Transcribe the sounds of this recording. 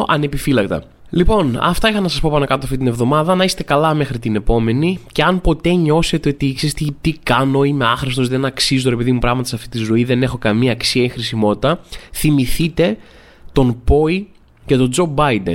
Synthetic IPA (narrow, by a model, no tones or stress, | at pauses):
ɐne̞pifilɐkt̪ɐ̰ | lipo̞nɐ̰ft̪ɐixɐnɐsɐspo̞pɐnɐkɐt̪oɐft̪it̪inevðo̞mɐðɐnɐist̪e̞kɐlɐme̞xɾit̪ine̞po̞me̞nice̞ɐnpo̞t̪e̞ɲo̞se̞t̪e̞ot̪iksest̪et̪ikɐno̞ime̞ɐxɾest̪o̞zðenɐksizut̪oɾe̞pe̞ðimupɾɐɣmɐt̪ɐsɐft̪i̥t̪izo̞iðe̞ne̞xo̞kɐmiɐːksiɐixɾisimo̞t̪it̪ɐθimiθit̪e̞ | t̪o̞npo̞i | cet̪o̞d͡zo̞bɐjd̪ḛn